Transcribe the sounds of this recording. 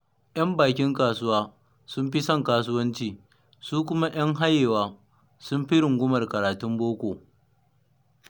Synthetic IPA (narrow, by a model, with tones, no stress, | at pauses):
j̰ɐ˦mbaː˨kʲɪ˦ŋkaː˨sʊ˦waː˦ | sʊ˦mɸi˦sɐ˦˨ŋkaː˦s̬ʊ˦wɐ˦nt͡ʃiː˦ | suː˦k̬ʷʊ˦ma˦j̰ɐ˦ŋɦa˦jeː˨waː˦ | sʊ˦mɸi˦ɾɪ˨ŋɡʷʊ˦mɐ˨rkɐ˨ɾaː˨tʊ˦mboː˦kʷoː˨